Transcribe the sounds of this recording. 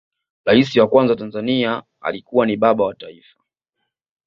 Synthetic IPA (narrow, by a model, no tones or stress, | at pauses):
ɾaisiwakwanzawtanzania | a̰likuwaniɓaɓawataifḁ